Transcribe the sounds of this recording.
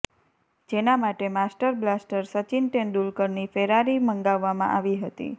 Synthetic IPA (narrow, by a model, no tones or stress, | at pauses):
d͡ʒenamaʈemasʈəɾblasʈəɾsət͡ʃinʈenɗulkəɾnifeɾaɾiməŋɡaʋːamã̰ʔaʋiɦət̪ḭ